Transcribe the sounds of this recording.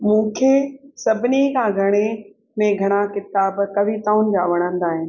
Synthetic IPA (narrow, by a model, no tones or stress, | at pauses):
mũːkʰesɐbʱɪnikʰãɡʱɐɽ̃e | mẽɡʱɐɽ̃akɪt̪aːbkɐʋit̪aːʊnɪ̆d͡ʑaʋɐɽ̃ə̃nd̪aːɦɪnɪ̆